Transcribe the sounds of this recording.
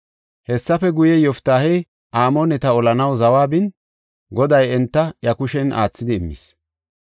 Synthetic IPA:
hɛsːɐfɛɡʊjɛjɔft̪aːhɛj | ʔaːmonɛt̪ɐɔlɐnɐwzɐwaːbɪn | ɡɔd̪ɐjɛnt̪ːɐjɐkʊʃɛnʔa̰ːt͡sːɪd̪ɪɪmːɪ̰s

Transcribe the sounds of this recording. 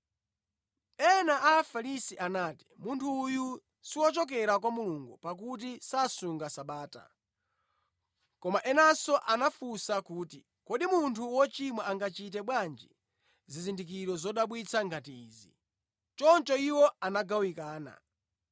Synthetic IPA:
ɛnaʔafalisiʔanaːti̥muntʰuːju | siwɔt͡ʃɔk̬ɛɾakwamuluŋɡupak̬ut̬isasuŋɡasaɓaːta̰ | kɔmaʔɛnasɔʔanafusakuːti | kɔɗimuntʰuwɔt͡ʃimwaaŋɡat͡ʃit̬ɛɓwand͡ʒḭ | zizindik̬iɾɔzɔɗaɓwit͡sʰaŋɡatiːzḭ | t͡ʃɔnt͡ʃɔiwɔanaɡawikaːna̰

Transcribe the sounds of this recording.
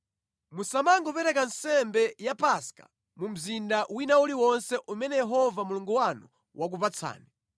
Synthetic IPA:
musamaŋɡɔpɛɾɛkansɛmbɛjapaskḁ̰ | mum̩zindawinauliwɔnsɛʔumɛnɛjɛɦɔvamuluŋɡuwanu | wak̬upat͡sʰa̰ːnɛ

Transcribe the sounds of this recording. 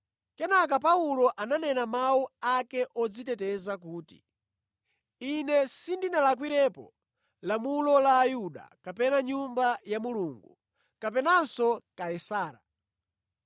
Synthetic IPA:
kɛnak̬apaulɔʔananɛnamauakɛʔɔd͡zitɛtɛzak̬uːtḭ | inɛsindinalak̬wiɾɛpɔ | lamulɔlaːjuɗa̰kapɛnaɲumbajamuluːŋɡṵ | kap̬ɛnansɔkaɛsaːɾa̰

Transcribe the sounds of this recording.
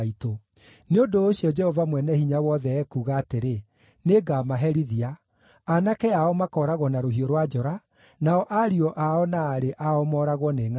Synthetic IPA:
ito | neondoːɕijɔd͡ʒɛhɔvamwɛnɛhiɲawɔðɛːkuːɣaːteɾe | neɡamaɦɛɾiðia | anakɛaɔmakɔɾaɣwɔnaɾoɦioɾwad͡ʒɔɾa | naɔʔaɾiɔʔaɔnaːɾeʔaɔmɔɾaɣwɔneːŋa

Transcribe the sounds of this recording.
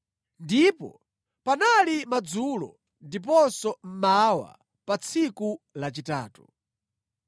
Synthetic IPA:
ndipɔ̰ | panalimad͡zulɔ̰ | ndip̬ɔnsɔm̩mawa̰ | pat͡sʰikulat͡ʃitaːtu

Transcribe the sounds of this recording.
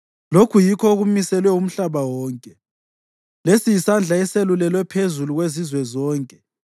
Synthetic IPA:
lokʰujikʰɔɣumisɛlwɛum̩ɬaβawɔːŋkʼɛ | lesijisand͡ɮʱaɛselulɛlwɛpʰezuluɣwezizwɛzɔːŋkʼɛ

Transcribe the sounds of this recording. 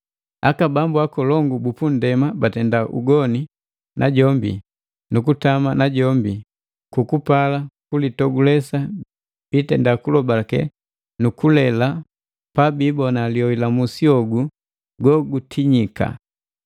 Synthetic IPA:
akabambuakɔlɔŋɡubupun̩dɛmabatɛndaʔṵɡɔni | nʔaɟɔmbḭ | nukutamanaɟɔmbi | kukupalakulitɔɡulɛsa | b̥itɛndakulɔbakɛ̰ | nukulɛla | pabibɔnaliɔilamusiɔɡu | ɡɔɡutʰiɲika̰

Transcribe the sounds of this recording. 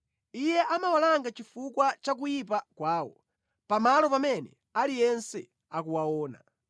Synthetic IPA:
ijɛʔamawalaŋɡat͡ʃifukwat͡ʃak̬ujip̬akwaːwɔ̰ | pamalɔpamɛnɛ | alijɛnsɛ | akuwaɔːna̰

